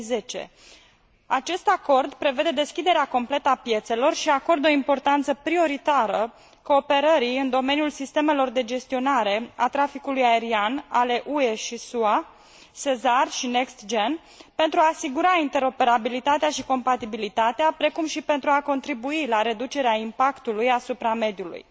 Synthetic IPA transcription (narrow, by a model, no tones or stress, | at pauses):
ze̞t͡ʃḛ | at͡ʃe̞st̪ako̞rd̪pɾe̞ve̞d̪e̞d̪e̞skʲid̪e̞ɾeako̞mple̞t̪əapje̞t̪se̞lo̞rʃiako̞rd̪o̞impo̞rt̪ant̪səpɾio̞ɾit̪aɾə | ko̞ːpe̞ɾəɾiɨnd̪o̞me̞niulsist̪e̞me̞lo̞rd̪e̞d͡ʒe̞st̪io̞naɾe̞at̪ɾafikulujae̞ɾianale̞ʔue̞ʃisua | se̞zarʃine̞kst̪d͡ʒe̞n | pe̞nt̪ɾuaːsiɡuɾaint̪e̞ɾo̞pe̞ɾabilit̪at̪eaʃiko̞mpat̪ibilit̪at̪eapɾe̞kumʃipe̞nt̪ɾuako̞nt̪ɾibuilaɾe̞d̪ut͡ʃe̞ɾeaimpakt̪ulujasupɾame̞d̪julṵj